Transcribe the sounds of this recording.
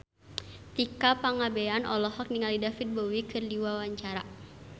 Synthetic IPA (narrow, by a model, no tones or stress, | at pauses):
t̪ikapaŋabɛanʔɔ̰lɔɦɔk̚niŋalidafit̪̚bɔwikɨrdiwawaɲt͡ʃaɾa